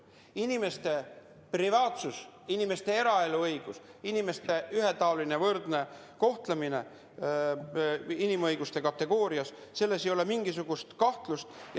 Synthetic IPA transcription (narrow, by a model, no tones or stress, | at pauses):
inime̞st̪e̞ | privɑːt̪susinime̞st̪e̞e̞ɾɑe̞luɤjɡ̥usinime̞st̪e̞yɦet̪ɑoline̞vɤrd̪ne̞ | ko̞ht̪lemine̞ | inimɤjɡ̥ust̪e̞kɑt̪ːe̞ɡ̥o̞ːɾiɑsse̞lːe̞sejo̞le̞miŋɡisuɡ̥ust̪kɑht̪lust̪j